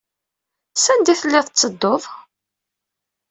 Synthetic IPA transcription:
sænd̪iθəlːɪðət͡sːəd̪ːov

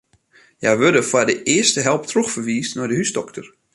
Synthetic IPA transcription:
jajʋødəfadəʔɪəstəɦɛlˠptroxfərʋiːstnɔjdəɦysdɔktʰər

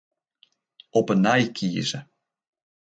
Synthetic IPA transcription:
ɔpənɑjkʰḭzə

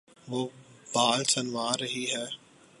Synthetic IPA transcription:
ʋoːbaːlsɐnʋaːɾɐɦiɦɛː

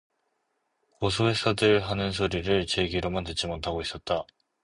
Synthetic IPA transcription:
kos̬ʰoes͈ʰʌdɯɭɦanɯns̬ʰoɾiɾɯɭt͡ɕe̞ɡiɾomantɯt͡ɕ͈imotʰaɡois͈ʌt̚t͈a

